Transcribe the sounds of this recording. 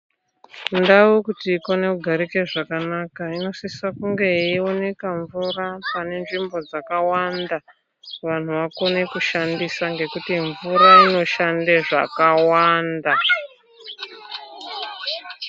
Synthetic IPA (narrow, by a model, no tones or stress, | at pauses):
ndaukutiːko̞ne̞kuɡʱaɾikeʐakanakaino̞sisakuŋɡe̞io̞ne̞kaɱvurapane̞nʐimbo̞d͡zakawanda | ʋan̤uʋako̞ne̞kuʃandisaŋɡe̞kutiɱvuɾaino̞ʃandeʐa̰kawanda